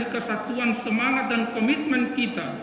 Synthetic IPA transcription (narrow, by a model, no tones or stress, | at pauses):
ikəsat̪uansəmaŋat̪̚dankɔmit̪̚mɛnkit̪a